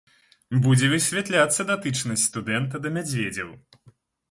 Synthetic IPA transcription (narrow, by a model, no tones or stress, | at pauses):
bud͡zʲɛvɨsʲvʲat̪lʲat̪sːɐd̪at̪ɨt͡ʂnɐsʲtʲst̪ud̪ɛnt̪ɐd̪ɐmʲad͡zʲvʲed͡zʲɐw